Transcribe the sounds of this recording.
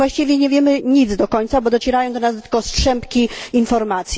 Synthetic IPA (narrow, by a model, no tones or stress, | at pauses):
waɕt͡ɕivʲjɛɲɛvʲjɛmɘɲid̪zd̪ɔkɔɲʲt̪sabɔd̪ɔt͡ɕɛɾajɔ̃w̃d̪ɔnasd̪kɔstʂɛmpkʲiinfɔɾmat̪sʲj